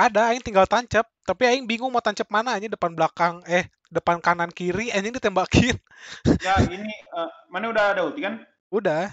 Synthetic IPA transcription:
adaːɪŋt̪iŋɡalt̪aɲt͡ʃəp̚t̪apiaɪŋbiŋʊŋmot̪aɲt͡ʃəp̚manaːɲədəpanblakaŋɛh | dəpankanankiɾiaɲəŋdit̪ɛmbakʰɪn | jainiəmaniudahadaut̪ikan | udah

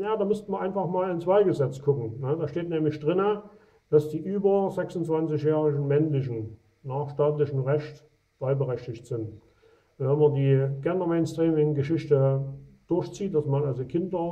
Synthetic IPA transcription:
jaːdaːmʏstn̩viːɐaɪnfaχmaːlɪnt͡sv̥aɪɡəzɛt͡skʰʊkŋ̩nəd̥aːʃteːtnɛːmlɪçd̥ʁɪnə | d̥asd̥iːʔyːbɐzɛksnt͡sv̥ant͡sɪçjɛːʁɪɡn̩mɛnlɪç̬n̩ | naːχʃtaːtlɪçəm̩ʁɛʃt | b̥aɪlbəʁɛçtɪçtz̥ɪnt | vɛnmɐdiːɡɛndɐmeɪnstʁiːmɪŋɡəʃɪçtəd̥ʊɐçt͡siːt̚d̥asmanalzokʰɪndɐ

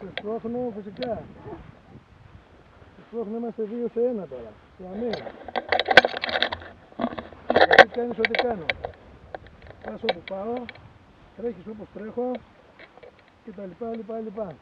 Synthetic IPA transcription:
t̪est̪uoxnofisikɐ | t̪est̪uoxnoimɐst̪evioseenɐt̪o̞ɾɐ | eɐmen | ikɐt̪ikɐnisot̪̬ikɐno | kɐsopupɐo | t̪ɾeçisopust̪ɾe̞xo̞ | cet̪ɐlipɐlipɐlipɐ

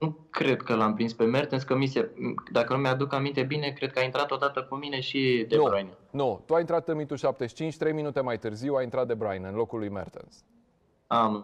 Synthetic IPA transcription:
nukɾe̞d̪kəlampɾinspe̞mert̪enskəmised̪akənumead̪ukamint̪e̞bine̞kɾe̞d̪̚kəaint̪ɾat̪o̞d̪at̪əkumine̞ʃid̪ebɾajnnut̪uajint̪ɾat̪ɨmit̪uʃap̚t̪e̞ʃi̥t͡ʃint͡ʃʲt̪ɾe̞jminut̪e̞majt̪ɨrziwajint̪ɾat̪̚d̪e̞bɾajnɨnlo̞kulujmḛrt̪ḛns | am

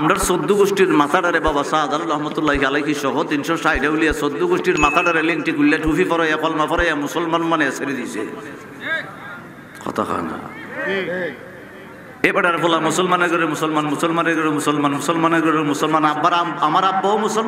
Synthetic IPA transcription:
amɖaɾsod̪ːuɡosʈiɾmat̪aɖaɾebɔbasaːd̪alɾɔɦmɔt̪ulːaikalajkʰiʃɔɦot̪inʃɔsajɖablijasod̪ːuɡoʃʈiɾmat̪aɖaɾeliŋʈikulːaʈʰufifɔɾɔjakɔlmafɔɾɔjamusɔlmanmaneeseɾid̪isḛ | kʰɔ̰t̪ʰa̰xa̰nd̪a̰ | ebaɖaɾepɔlamusɔlmaneɡɔɾemusɔlmanmusɔlmaneɡɔɾemusɔlmanmusɔlmaneɡɔɾemusɔlmanabːaɾamaɾabːɔwmusɔl

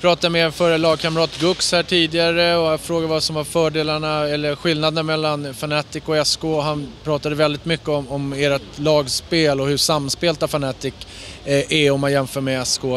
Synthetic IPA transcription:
pʰɾɑːt̪ad̪meːɾɔfœːɾəlɑːɡ̚kʰamɾɑːt̪ɡɵkshæːʈʰiːd̪ɪɡaɾəɔafɾoːɡadvasɔmvaɾfœːɖeːlaɳaɛlːəɾɧɪlnad̪ənamɛlːanfanɛt̪ɪkɔɛskoːɦanpʰɾɑːt̪ad̪əvɛld̪ɪt̪mʏkːəɔmɔmeːɾat̪lɑːɡspeːlɔhɵʂamːspeːlt̪afanɛt̪ɪk | ʔɛɔmːanjɛmfœːɾmɛɛskoː

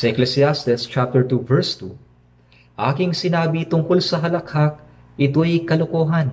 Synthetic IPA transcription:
sɐʔɛklɛsɪast̪ɪst͡ʃap̚t̪ɛɹt̪uvɛɹst̪ṵ | ʔaːkɪŋsɪnaːbit̪ʊŋkolsɐɦɐlɐkhak̚ | ʔɪt̪o̞jkɐlʊkoːɦɐn

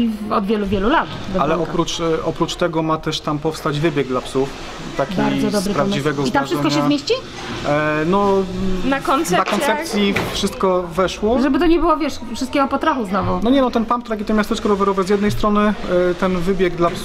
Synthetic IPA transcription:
ɔd̪vʲjɛluvʲjɛlulat̪bɛalɛʔɔpɾut͡ʂʔɔpɾut͡ʂt̪ɛɡɔmat̪ɛʂt̪ampɔfst̪ad͡ʑvɘbʲjɛɡ̚d̪lapsuf | t̪akʲiaɾdzɔd̪ɔbɾɨpɾaivɛɡɔit̪amʐʂsɛkɔɲaɕɛzmjeɕt͡ɕi | nɔnakɔnt̪sɛakɔnssɛsʲjifʂɘst̪kɔvɛʂwɔʐɛbɘt̪ɔɲɛbɨwɔvʲjɛʂfʂɨst̪̚kʲɛɡɔpɔt̪ɾaxuznɔvɔnɔɲɛnɔt̪ɛnpampt̪ɾak̬ʲit̪ɔmʲjast̪ɛt͡ʂkɛɾɔvɛɾɔvɛzʲjɛd̪nɛjst̪ɾɔnɘt̪ɛnvɘbʲjɛɡd̪laps

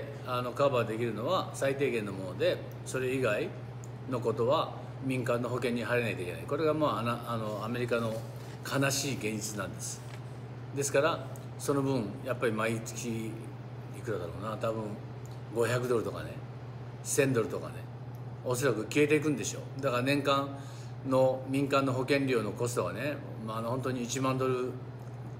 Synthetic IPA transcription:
ano̞kabad̪e̞kʲiɾɯ̟no̞βasait̪e̞ːɡẽ̞nːo̞mo̞no̞d̪e̞ | so̞ɾe̞iɡai | no̞ko̞t̪o̞βa | mʲĩŋkãnːo̞ɦo̞kẽ̞ɲ̟ːiɦaɾe̞nait̪oikʲe̞na̰iko̞ɾe̞ɡamaanaano̞ame̞ɾʲikano̞ | kʰanaɕiːɡẽ̞ɲd͡ʑit͡sɨnãnd̪e̞sɨ̥ | d̪e̞sɨ̥kaɾa | so̞no̞bɯ̟̃ɴjapːaɾʲimait͡sɨ̥kʲi | ikɯ̟d̪ad̪aɾo̞ːnat̪abɯ̟̃ŋ | ɡo̞çʲakɯ̟d̪o̞ɾɯ̟t̪o̞ka̰ne̞ | sẽ̞nd̪o̞ɾɯ̟t̪o̞ka̰ne̞ | o̞so̞ɾakɯ̟kʲie̞t̪e̞ik̬ɯ̟̃nd̪e̞ɕo̞̰ːd̪akaɾanẽ̞ŋkãn | no̞mʲĩŋkãnːo̞ɦo̞kẽ̞ɲɾʲo̞ːno̞ko̞sɨ̥t̪oɡane̞ | manohõ̞nt̪o̞ɲ̟iːt͡ɕimãnd̪o̞ɾɯ̟

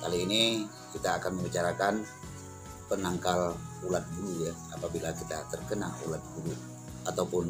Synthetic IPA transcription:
kaliːni | kit̪aːkanməbit͡ʃaɾakan | pənaŋkalulat̪̚ɡulujaapabilakit̪at̪ərkənalṵlat̪̚ɡulu | at̪awpʊn

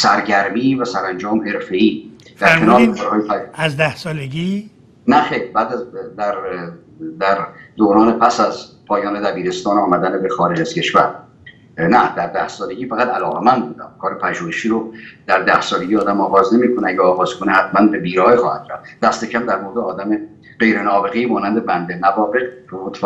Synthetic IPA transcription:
sæɾɟæɾmiːvæsæɾænd͡ʒɒːmhe̞ɾfe̞iː | d̪̥æɾkʰenɒːɾekʰɒːɾhɒːjepææzd̪æhsɒːleɡi | næxejɾbæːd̪æzd̪æɾ | d̪æɾd̪oːɾɒːnepʰæsæzpʰɒːjɒːne̞d̪æbiːɾe̞st̪ɒːnɒːmæd̪ænebexɒːɾe̞d͡ʒæz̥cʰe̞ʃvæ̰ɾ | næd̪æɾd̪æhsɒːleɟʲiːfæɣæt̪ʰælɒːɣemænd̪̚buːd̪æ̰mkʰɒːɾepʰæʒuːheʃiːɾod̪̥æɾd̪æhsɒːle̞ɡʲiːɒːd̪æmɒːɣɒːzne̞miːkʰoneæɟeɒːɣɒːz̥kʰonehæt̪ʰmænbe̞biːɾɒːjexɒːhæd̪ɾæ̰ft̪d̪̥æst̪e̞cʰæmd̪æɾmoɾd̪eɒːd̪æme | ɢ̥e̞jɾe̞nɒːbe̞ɣejmɒːnænd̪e̞bænd̪e̞nævɒːbe̞qot̪ʰː

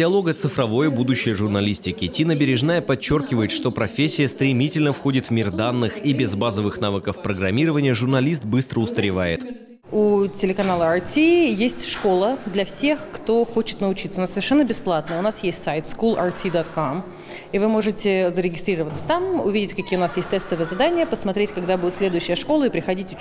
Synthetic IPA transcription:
dʲɪɐlˠo̞ɡət̪sɨfɾɐvo̞jəbud̪ʊɕːɪjəʐʊrnɐlʲisʲtʲɪkʲɪtʲinəbʲɪɾʲɪʐnajəpɐt͡ɕːo̞rkʲɪvəjɪt̪ʂt̪o̞pɾɐfʲesʲːɪjəst̪ɾʲɪmʲitʲɪlʲnəfxo̞dʲɪt̪vmʲird̪anːɨxibʲɪzbazəvɨxnavəkəfpɾəɡɾɐmʲiɾəvənʲɪjəʐʊrnɐlʲist̪̚bɨst̪ɾəʊst̪əɾʲɪvajɪt̪ | utʲɪlʲɪkɐnalˠəɐrtʲijesʲtʲʂko̞lˠəd̪lʲɐfsʲe̞xkt̪o̞xo̞t͡ɕɪt̪nəʊt͡ɕit̪səɐnasəvʲɪrʂɛnːəbʲɪsplˠat̪nəʊnasjesʲtʲsajɪt̪skulˠartʲid̪ot̪kom | ivɨmo̞ʐɨtʲɪzəɾʲɪɡʲɪst̪ɾʲiɾəvət̪sə̥t̪amʊvʲidʲɪtʲkɐkʲijəʊnasjesʲt̚ʲt̪ɛst̪əvɨjəzad̪anʲɪjəpəsmɐt̪ɾʲetʲkɐɡd̪abudʲɪt̪sʲlʲe̞d̪ʊjʉɕːɪjəʂko̞lˠəɪpɾʲɪxɐdʲitʲʊ

